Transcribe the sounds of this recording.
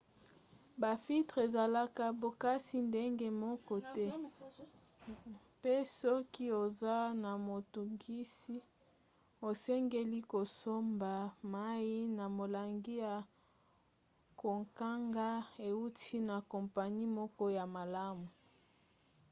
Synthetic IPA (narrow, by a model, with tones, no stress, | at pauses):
ba˨fi˦tʁe˨za˨la˦ka˦bo˨ka˦si˦nde˦ŋɡe˦mɔ˦kɔ˦tɛ˦ | pe˦sɔ˦ki˦o˨za˦na˨mo˨tu˨ŋɡi˦si˦ | o˨sɛ˦ŋɡe˦li˦ko˨so˦mba˨ma˦ji˦na˨mo˨la˨ŋɡi˦ja˨ | ko˨ŋka˦ŋɡa˦e˨u˦tʰi˦na˨kɔ˨mpa˨ɲi˦mɔ˦kɔ˦ja˨ma˨la˦mu˨